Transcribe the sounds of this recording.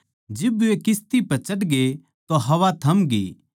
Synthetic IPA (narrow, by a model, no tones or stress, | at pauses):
d͡ʒɪbuekɪst̪ipɐɾt͡ʃɐʈɡe | t̪oɦɐʋat̪ʰɐmɡḭː